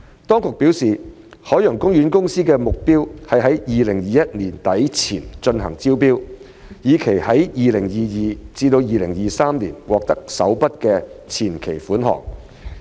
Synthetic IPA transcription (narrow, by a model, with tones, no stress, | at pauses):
t̪ɔː˥ŋkʊ˨k̚piː˨˥wsiː˨ | hɔː˨˥jœː˨˩ŋkʊ˥ŋjyː˨˥nkʊ˥ŋsiː˥kɛː˧mʊ˨k̚piː˥whɐ˨jɦɐ˨˥jjiː˨lɪ˨˩ŋjiː˨jɐ˥t̚niː˨˩nt̪ɐ˨˥jt͡sʰiː˨˩nt͡ʃɵ˧nɦɐ̰˨˩ŋt͡siː˥wpiː˥w | jiː˨˧kʰe˨˩jhɐ˨˥jjiː˨lɪ˨˩ŋjiː˨jiː˨t͡siː˧t̪o˧wjiː˨lɪ˨˩ŋjiː˨saː˥mniː˨˩nwɔː˨k̚t̪ɐ˥k̚sɐ˨˥wpɐ˥t̚kɛː˧t͡sʰiː˨˩nkʰe˨˩jfuː˨˥nɦɔ̰ː˨˩ŋ̚